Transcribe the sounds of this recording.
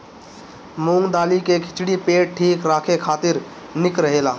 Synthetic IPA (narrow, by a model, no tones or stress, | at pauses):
muːŋd̪aːlikekʰɪt͡ʃɽipeːʈ̚ʈʰiːkɾaːkʰekʰaːt̪ɪɾ | nɪkɾəɦeːlaː